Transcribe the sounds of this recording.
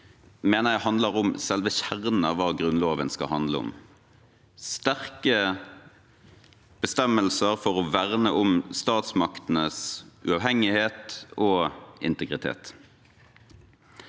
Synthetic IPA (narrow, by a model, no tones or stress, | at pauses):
meːnəʁjæhɑnd̪ləʁʊmsɛlʋəçæʁnn̩ɑʋɑːɡʁʉnloːʋənskɑ̰hɑnd̪ləʊ̰m | st̪æʁkə | b̥əst̪ɛmːəlsəʁfɔʁɔʋæʁnəʔʊmst̪ɑːt̪smɑkt̪ən̩əsʉ̰ɑːʋɦɛŋɪheːt̪oːɪ̰nt̪əɡʁɪt̪ʰḛːt̪